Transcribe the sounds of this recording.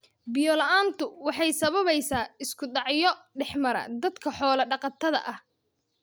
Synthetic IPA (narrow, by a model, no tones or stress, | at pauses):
bɪjɔlɐʔaːnt̪ʰʊwɑħɑjsɐβɐβɛjsaːɪskʰʊɖ̪ɑʕjɔɖɛħmɐɾɐ̰d̪ɐd̪kʰɐħɔːlɐɖɑqɑt̪ʰːɐðɐ̰ʔɐh